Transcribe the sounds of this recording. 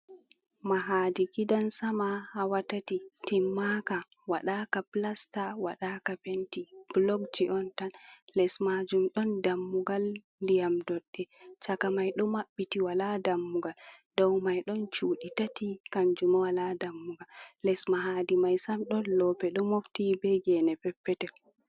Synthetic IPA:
maɦaːdiɡidansamahawatatitimːaka | waɗakaplastawaɗakapentib̥lɔɡd͡ʒiʔɔntanlɛsmad͡ʒumɗɔndamːuɡal | ndijamdɔɗːɛt͡ʃakamajɗɔmaɓːitiwaladamːuɡaldɔwmajɗɔnt͡ʃuːɗitatikaɲd͡ʒumawaladamːuɡalːɛsmaɦadimajsamɗɔnlɔpɛɗɔmoftibɛɡɛnɛpɛpːɛtɛ

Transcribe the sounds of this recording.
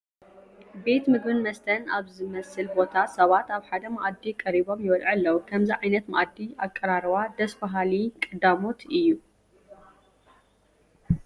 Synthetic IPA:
be̞t̪mɨɡbɨnmɐst̪ʰɐna̰βzɨmɐsɨlbo̞t̪ʰasɐβat̪aβħad̪ɐmaʔad̪ːikʼɐɾiβo̞mjɪwɐlʕɨlːɐwkʰɐmziʕajnɐt̪ma̰ʔad̪ːiʔakʼːɐɾaɾwad̪ɐsbaɦalikʼɨd̪amo̞t̪ʰɨjːu

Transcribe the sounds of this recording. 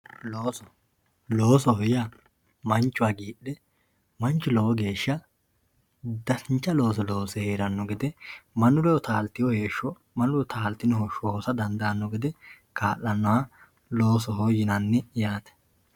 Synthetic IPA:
loːsɔ | lo̞ːsɔhɔja | mɐnt͡ʃːʊwaːɡiːɗɛ | mɐnt͡ʃːʊlowɔɡe̞ːʃːɐ | d̪ɐsɪnt͡ʃːɐlo̞ːs̬ɛloːsɛheːɾɐnːɔɡɛd̪ɛmɐnʊlɛwɔt̪aːlt̪ɪjɔheːʃːɔ | mɐnʊlɔt̪ʰaːlt̪ːɪnɔhɔʃoːsɐd̪ɐnd̪ɐnːɔɡɪd̪ɛ | kaːʔːɐnːɔwa | lo̞ːsɔɦɔjɪnɐnːɛjaːt̪ɛ̥

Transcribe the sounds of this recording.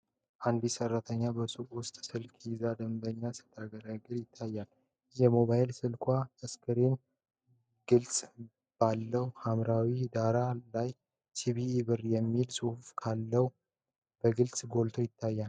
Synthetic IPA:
ʔand̪isərːat̪ʰəɲːabəsuwʊst̪ʼsɨlkʰʼjzad̪əmbəɲːasɨ̥t̪ʰːaɡəɾaɡɨɾjɪt̪ʰːajːal | jɛmo̞βaɪlsɨlkʰʼʷaəskʰɨɾen | ɡ̥ɨlt͡sʼ | b̥alːəwhamɾawid̪aɾalaj | tʰiβiːβɨɾjɛmːilsʼɨhufkʰalːəw | b̥əɡɨlsʼɡo̞lt̪ʰo̞jɪt̪ʰːajːa

